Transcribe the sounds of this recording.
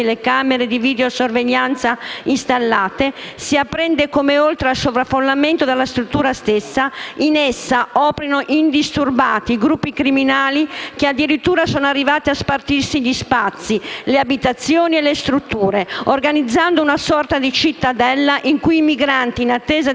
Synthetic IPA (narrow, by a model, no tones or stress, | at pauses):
elekameɾed̪iviːd̪eosorveʎːant̪sainst̪alːaːt̪esiapːɾɛnd̪ekomeolt̪ɾealsovɾafːolːament̪od̪alːast̪ɾut̪ːuːɾast̪esːainɛsːaɔːpɾinoʔind̪ist̪urbaːt̪iɡɾupːikɾiminaːlik̟ead̪ːiɾit̪ːuːɾasɔːnarːivaːt̪iaspart̪irsiʎːispat̪sːileabit̪at̪sːjoːnielest̪ɾut̪ːuːɾeorɡanid̪zːand̪ounasɔrt̪ad̪it͡ʃit̪ːad̪ɛlːaʔiŋkujimiɡɾant̪iːnat̪ːɛːza